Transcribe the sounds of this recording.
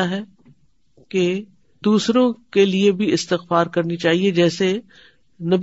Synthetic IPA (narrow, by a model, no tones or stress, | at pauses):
aɦɛ | ke | d̪̥uːsɾõkeliebʱiɪst̪ɪxfaːɾkɐɾnit͡ʃaːɦied͡ʒɛːse | nɐb